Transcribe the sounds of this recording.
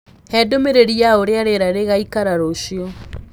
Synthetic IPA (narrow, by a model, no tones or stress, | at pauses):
hɛdomeɾeɾijaoɾeaɾeɾaɾeɣaikaɾaɾoɕio